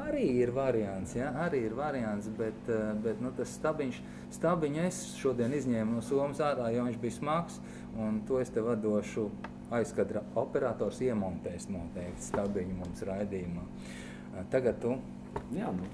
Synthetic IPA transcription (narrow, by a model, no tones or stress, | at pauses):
aɾiːiɾvaɾiant̪sjaaɾiːiɾvaɾiant̪sbɛt̪bɛt̪nut̪asst̪abiɲʃ | st̪abiɲes | ʃuɔd̪iɛnizʲɲɛːmnuɔsuɔmsaːɾaːjoɔʋiɲʲt͡ʃbijsmaks | unt̪uest̪ɛʋad̪uɔʃu | ajskad̪ɾaɔpɛɾaːt̪ɔːɾsiɛmɔnt̪ɛːst̪mant̪ɛɪkt̪sst̪abiɲumumsɾajd̪iːjumaː | t̪aɡat̪t̪ːu | jaːnu